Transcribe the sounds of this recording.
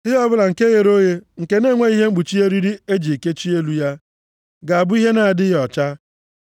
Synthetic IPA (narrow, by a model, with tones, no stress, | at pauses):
ɪ˦ɔ˦bʊ˦la˨ŋ̩˨ke˦je˨ɾo˦je˦ŋ̩˨ke˨ne˦˨ŋʷe˦i˦ɦe˦ŋ͡m̩˦ɡ͡bu˨t͡ʃi˦e˦ɾi˦ɾi˦e˦d͡ʒi˨ke˦t͡ʃi˦e˦lu˦ja˦ | ɡa˨a˨bʊ˦i˦ɦe˦na˨a˨dɪ˦ɣɔ˨t͡ʃa˦